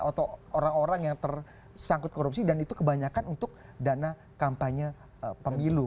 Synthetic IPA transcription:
ot̪ooɾaŋoɾaŋjaŋt̪ər | saŋkʊt̪̚koɾup̚sidanit̪ukəbaɲakanunt̪ʊk̚ | dana | kampaɲa | pəmilu

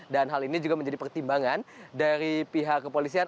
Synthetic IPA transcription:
danɦalinid͡ʒuɡaməɲd͡ʒadipərt̪imbaŋandaɾipiɦakːəpolisian

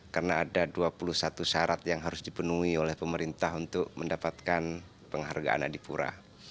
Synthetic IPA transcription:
karnaːdaduapuluhsat̪usaɾat̪jaŋɦaɾʊsdipənuiolɛhpəməɾint̪aɦunt̪ʊk̚məndapat̪̚kan | pəŋɦa̰rɡa̰ʔa̰na̰dipuɾa̰

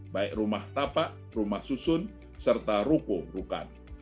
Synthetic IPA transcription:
baɛk̚rumaht̪apaʔ | rumahsusʊn | sərt̪aɾukuɾuka̰n

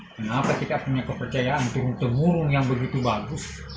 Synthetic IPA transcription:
kənapak̪it̪apuɲakəpərt͡ʃajaʔant̪uɦʊnt̪əmuɾʊnjaŋbəɡit̪ubaɡʊs

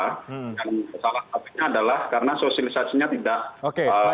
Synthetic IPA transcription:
daŋsalahapɪk̚ɲaːdalahkaɾənasosialisasiɲat̪idaʔokeə

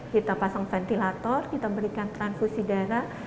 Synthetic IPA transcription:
kit̪apasaŋfɛnt̪ilat̪ɔrkit̪abəɾikant̪ɾanfusidaɾa

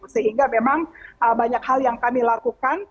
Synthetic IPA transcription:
səɦiŋɡamemaŋʔəbaɲakhaljaŋkamilakukan

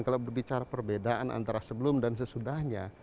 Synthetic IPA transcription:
nkalabərbit͡ʃaɾapərbedaʔana̰nt̪aɾasəbəlʊmdansəsudahɲa

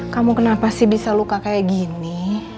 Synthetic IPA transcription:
kamukənapasɪhbisalukakajaʔɡini

